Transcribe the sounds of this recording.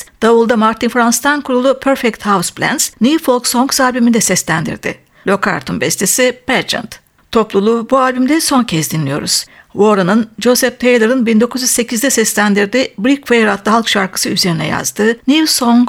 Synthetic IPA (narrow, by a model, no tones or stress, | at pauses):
d̪̥avulˠd̪amaɾt̪ʰinfɾanst̪ʰankʰuɾulˠupʰøɾfɛc̚t̪hawsplʲæ̰nz̥nʲifolˠksoŋɡsalʲbymind̪ɛsɛslʲænd̪ḭɾd̪ɪ̰ | lʲo̞kʰa̰ɾt̪ʰunbɛst̪ʰesipæɾd͡ʒa̰nt̪ | t̪ʰo̞plˠulˠubualʲbymd̪ɛso̞ncʰɛsd̪inlʲijo̞̰ɾṵz̥vo̞ɾanɯnd͡ʒo̞sɛp̚t̪ʰejlˠeɾɯnbind̪o̞kʰuzjyzse̞cʰizd̪ɛsɛslʲænd̪iɾd̪ibɾikvejɾat̪lˠɯɦalˠkʃaɾkʰɯ̥sɯyze̞ɾinɛ̰ja̰zd̪ɯnivsoŋɡ